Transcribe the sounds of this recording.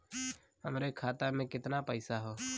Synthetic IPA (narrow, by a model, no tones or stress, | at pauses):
həmɾekʰaːt̪amẽːkɪt̪napəɪsaɦoː